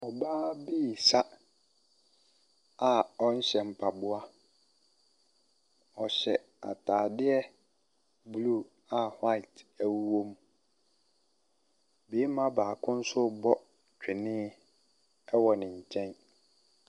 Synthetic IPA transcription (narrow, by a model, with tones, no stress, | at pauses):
ɔ˨baː˦biː˦˨sa˦ | a˨ɔ˦ɲ̩˦ɕɛ˨m̩˨pʰa˨bʊ˦a˦ | ɔ˨ɕɛ̰˨ | a̰˨tʰaː˨dɪ˦ɛ˦ | blu˦˨ | a˨ha˦˨tʰæ˨wu˦wo˦m | be˨˦mã˦baː˨kʰʊ̃˦n̩˦sʊ˦bɔ˦ | t͡ɕᶣʰɪ˨nɪ̃˦ | ɛ˦wɔ˨nɪ̃˨ɲ̩˨t͡ɕʰɛ̃˦n